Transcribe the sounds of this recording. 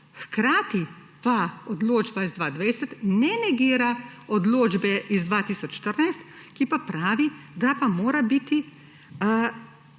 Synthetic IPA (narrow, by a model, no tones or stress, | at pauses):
xkɾaːt̪i | paɔd̪loːd͡ʒbaizd̪ʋaːd̪ʋɛjsɛt̪nɛnɛɡiːɾaɔd̪loːd͡ʒbɛʔizd̪ʋaːt̪iːsɔt͡ʃʃt̪əɾnajst̪ | kipapɾaːʋid̪apamoːɾabit̪i